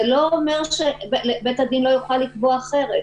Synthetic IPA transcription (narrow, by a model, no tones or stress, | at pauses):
elo̞ːme̞ʁʃeblebetad̪inlo̞juχalːikboaχe̞ʁet